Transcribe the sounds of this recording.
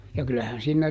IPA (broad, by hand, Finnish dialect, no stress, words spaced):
jɑ kylæhæn siːnːæ